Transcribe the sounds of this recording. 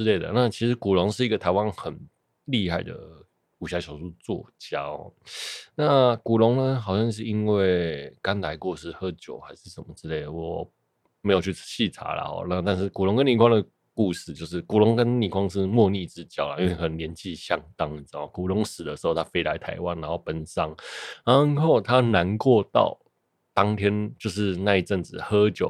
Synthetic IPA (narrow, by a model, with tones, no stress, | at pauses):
ʈ͡ʂɻ̩˥˧le˥˩ɪd̪ə̰˩na˥˨˩t͡ɕʰi˧˥ʂ̩˧˥ku˨˩lʊ˧˦˥ŋʂɻ̩˥˩i˧˥ɡə˨t̪ʰa˧˥ɪwa˦nxə˨˩n | li˥˧xa˥˩ɪd̪ə̰˩ | u˨˩ɕja˧˥ɕʰjɑ˨˩ʊʂu˥˧t͡swɔ̰˥˩t͡ɕja˥xɔ̰˥˨˩na˥˩ku˨˩lʊ˧˥ŋnə˧xɑ˨˩ʊɕjɑ˥˧ŋʂ̬ɻ̩˥˩i˥nwe˥˩ɪka˥nla˧˥ɪkwɔ˥˧ʂɻ̩˥˧xɤ˥˩t͡ɕjo˨˩ʊxa˧˥ɪʂɻ̩˥˩ʂə˨˩nmə˦ʈ͡ʂɻ̩˥le˥˩ɪd̪ə˩wɔ˨˦ | me˧˥jʊt͡ɕʰy˥˩ɕʰi˥˨˩ʈ͡ʂʰa̰˧˥˦la̰˨˩xɔ̰˨˦na˥˧t̪a˥˧nʂ̬ɻ̩˥˩ku˨˩lʊ˧˥ŋkə˦nli˨˩kʰwɑ˥d̪ə˨ | ku˥˧ʂɻ̩˥˧t͡ɕjo˥˧ʊʂ̬ɻ̩˥˩ku˨˩lʊ˧˦ŋkə˦˥nli˨˩kʰwɑ˥ŋʂɻ̩˥˨mwɔ˥˧ni˥˩ʈ͡ʂɻ̩˦t͡ɕjɑ˥˨˩ʊlə˨ʔi˥we˥˩kʰə˨˩nə˦nljɛ˧˦nt͡ɕʰi˥˧ɕjɑ˥˧ŋt̪ɑ˦˥ŋə˨˩t͡sɔ˨˩ku˨˩lʊ˨˦ŋʂɹ̩˨˩d̪ə˦ʂɻ̩˧˦ho˥˩ʊt̪ʰa˥fe˥ɪla˧˥ɪt̪ʰa˧˥ɪwa˥˦nːa˧˥nho˥˩ʊpə˨˩nsɑ˥ŋna˨˧˦ŋxo˥˩ʊt̪ʰa˦na˧˦nkwɔ˥˧t̪ɑ̰˥˨˩ʊ | t̪ɑ˥ŋt̪ʰjɛ˥nt͡ɕjo˥˧ʊʂ̬ɻ̩˥˧na˥˧i˥˩ʈ͡ʂə˥˩nt͡sɹ̩˨˩hɤ˦˥t͡ɕjo˨˩˦